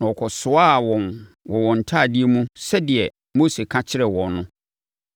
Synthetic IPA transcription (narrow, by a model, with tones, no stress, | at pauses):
nã˨ɔ˨kʰɔ˨sʊ˦a˦˨wɔ̃˨n | wɔ˨wɔ̃˨n̩˨tʰa˦˨dɪ˦e˦mũ˦sɛ˦dɪ˨ɛ˨ | mo˦se˨kʰã˦t͡ɕʰɪ˦ɾɛ˨wɔ̃˨nːʊ̃˦